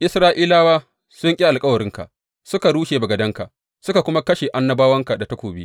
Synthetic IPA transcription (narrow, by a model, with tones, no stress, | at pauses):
ʔɪ˦sɾaː˦ʔiː˦laː˦waː˦ | sʊ˦ŋkʲʼi˦ʔa˨lkʼɐ˦wɐ˨ɾɪ˦ŋka̰˨ʔ | sʊ˦ka˨ɽuː˦ʃeː˨bɐ˨ɡɐ˨dɐ˦ŋka̰˨ʔ | sʊ˦ka˨kʷʊ˦ma˦kɐ˦ʃe˨ʔa˦nːɐ˦baː˦wɐ˦ŋka˨da˨ta˦kʷoː˨bi˦